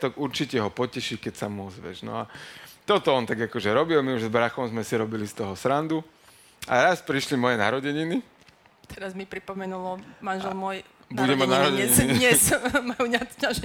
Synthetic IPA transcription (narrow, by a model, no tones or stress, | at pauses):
t̪ɔɡuɾt͡ʃicɛɦɔpɔcɛʃikɛcsamuɔzʋɛ̰ʒnɔ̰at̪ɔt̪ɔɔnt̪aɡakɔʒɛɾɔbilmiuʒzbɾaxɔmzmɛsiɾɔbilist̪ɔɦɔsɾand̪u | a̰ɾaspɾiʃlimɔjɛnaɾɔɟɛɲini | t̪ɛɾazmipɾipɔmɛnulɔmanʒɛlmʊɔj | buɟɛmanaɾɔɟɛɛɲiɲɛsmajuɲat̪caʒ